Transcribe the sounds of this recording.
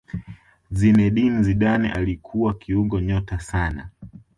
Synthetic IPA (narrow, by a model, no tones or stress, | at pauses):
zinɛɗinziɗanɛ̰ʔalikʰuwakʰiuŋɡɔɲɔtasana̰